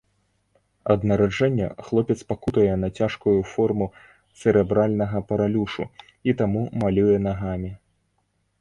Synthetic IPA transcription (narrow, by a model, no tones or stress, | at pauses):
ɐ̰d̪nɐɾad͡ʐɛnʲːɐ̰xlˠɔpʲɛt̪spakut̪ɐjɛnɐt͡sʲaʂkujufɔrmu | t̪sɛɾɛbɾalʲnɐɣɐpɐɾalʲuʂṵ | it̪amumalʲujɛnaɣamʲi